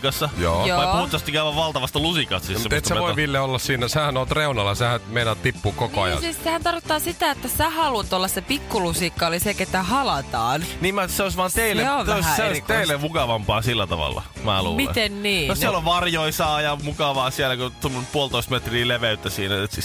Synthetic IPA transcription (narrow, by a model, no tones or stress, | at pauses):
kɑsːɑjo̰ːjoɑiuuht̪ːɑst̪ikæyʋæʋʋɑlt̪ɑʋɑst̪lusikɑst̪ːsissemet̪semeʋoiʋilːeolːɑssiːnːæsehænoːt̪reunɑlːɑsehænmeinɑt̪ipːuːkokoɑ̰jɑ̰nsehænt̪ɑrkot̪ːɑːsit̪æet̪ːæsæhɑluɑt̪olːɑssepikːulusikːɑoliseket̪ːæhɑlɑt̪ɑːnniːmæt̪seoisʋɑːnt̪eilːeeoʋoisseoiseilːemukɑʋɑmpɑːsilːæt̪ɑ̰ʋɑ̰lːɑ̰ | mæ̰ːlṵːmilḛt̪enniːnossielːoʋʋɑrjoisɑːjɑmukɑʋɑːsielækot̪umːonpuolt̪oist̪met̪riːleʋeyt̪ːæsiːnæet̪